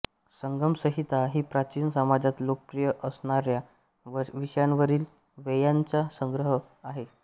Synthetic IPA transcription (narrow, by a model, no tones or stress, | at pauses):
səŋɡəmsəɦit̪aɦiːpɾat͡ɕiːnsəmad͡ʑat̪lokəpɾijəʔəsɳaɾja | ʋiʂjanʋəɾiːl | ʋejaɲt͡sasəŋɡɾəɦə | aɦe